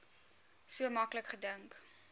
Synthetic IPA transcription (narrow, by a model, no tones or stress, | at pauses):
suəmɐkləkχədəŋk